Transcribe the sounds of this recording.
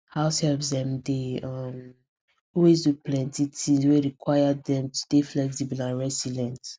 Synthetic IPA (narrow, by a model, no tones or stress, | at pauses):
haʊshɛlvsðɛ̃mdeʌm | ɔlwezduplɛ̃ntitĩŋzweɹikʰwajəd̪ðɛ̃mtʰu̥d̥eflɛktibnaɹɛsilɛ̃nt